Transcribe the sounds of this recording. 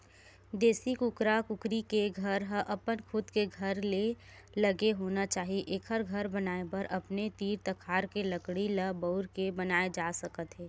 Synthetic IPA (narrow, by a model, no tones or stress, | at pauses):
d̪eːsikʊkɾakʊkɾikeɡʱɐɾɦəʔɐpənkʰʊd̪keɡʱɐɾle | lɐɡeɦoːnat͡ʃaːɦieʔeːkɦɐɾɡʱəɾbɐnaːebɐɾʔɐpnet̪iːɾt̪ɐkʰaːɾkeləkɽiləbəʊɾkebɐnaːed͡ʒaːsəkət̪ɦɛː